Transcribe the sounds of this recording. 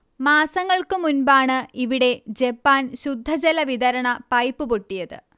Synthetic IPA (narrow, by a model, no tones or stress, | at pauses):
maːsɐŋːɐɭkɨmunbaːɳɨiʋiɽe̞d͡ʑe̞pːaːnɕud̪ʱːɐd͡ʑelɐʋid̪ɐɾɐɳɐpɐjpːɨpoʈːijɐðɨ̰